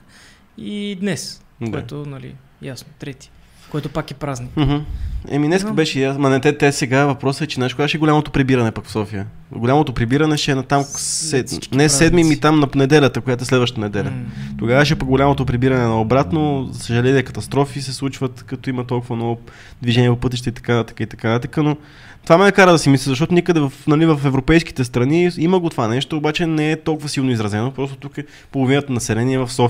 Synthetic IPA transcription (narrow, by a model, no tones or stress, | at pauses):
id̪nɛs | d̪ɛat̪onɐlḭ | jasnot̪ɾɛt̪i̥ | koɛt̪ʊpakɛpɾaznim̩ɦ̩ɛ̰minɛskkəbɛʃɛjasmɐnɛt̪ɛt̪ɛsɛɡavɐpɾɔsəɛt͡ʃɛnaʃkoɡaʃɛɡolamot̪opɾibiɾɐnɛpɐkfsɔfijə | ɡolʲamot̪opɾibiɾənɛʃɛnɐt̪amɛnɛsɛd̪mimit̪amnɐnɛd̪ɛlʲət̪əkojat̪oɛslɛd̪vəʃt̪ənɛd̪ɛlʲət̪oɡavəʃ̬ɛpəɡolʲamot̪opɾibiɾɐnɛnɐobɾat̪nozəsəʒɐlɛniɛkɐt̪ɐst̪ɾɔfisɛslˠut͡ʃvət̪kɐt̪ɔimɐt̪ɔlˠkʊvɐnɔvo | d̪viʒɛniɛpopɤt̪̬iʃt̪ɛit̪ɐ̥kant̪ə̥kəit̪ɐkant̪t̪əkəno | t̪ovamɛnɛkaɾəd̪ɐsimislɛzɐʃt̪ɔt̪onikəd̪ɛvɐfnɐlivɐfɛvɾopɛjski̥t̪ɛs̬t̪ɾɐniiməɡot̪ovanɛʃt̪oːbat͡ʃɛnɛɛt̪ɔlˠkʊvəsilˠnoizɾɐzɛnopɾɔst̪ot̪ukɛ | polˠovinət̪ənɐsɛlɛniɛvɐfsɔf